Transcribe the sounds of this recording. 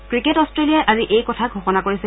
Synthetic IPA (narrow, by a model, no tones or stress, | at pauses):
kɹiketɔstɹeliaʔaziʔejkɔtʰaɡʱɔxɔnakoɹisɛ